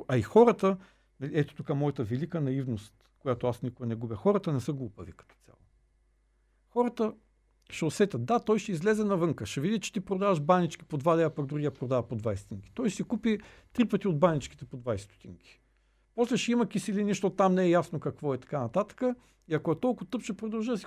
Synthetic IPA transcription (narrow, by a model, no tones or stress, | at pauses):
ɐixɔɾət̪ə | nɐliɛt̪o̥t̪okamɔjɐt̪əvɛlikənɐivnost̪kojat̪oasnikoɡənɛɡubʲəxɔɾət̪ənɛsəɡlˠupəvikɐ̥t̪ɔ̥sʲja̰lˠo̰ | xɔɾət̪ə | ʃɛosɛt̪ʲɐt̪̚d̪at̪ɔjʃɛizlɛzɛnɐvɤŋkəʃɛvid̪it͡ʃɛ̥t̪ipɾod̪avɐʃbanit͡ʃki̥pod̪vad̪ɛɐpɐɡd̪ɾuɡʲiɐpɾod̪avɐpod̪vajst̪iŋkʲi̥t̪ɔjʃsikupi | t̪ɾipət̪iod̪̚banit͡ʃki̥t̪ɛpod̪vajst̪o̥t̪ḭŋkʲi̥ | pɔslɛʃɛimɐkʲisilʲiniʃt̪ot̪amnɛɛjasnokɐkvɔɛt̪ɐ̥kanɐt̪at̪ə̥kə | iɐkoɛt̪ɔlˠkʊt̪ɤpʃɛpɾod̪ɐlˠʒid̪ɐsi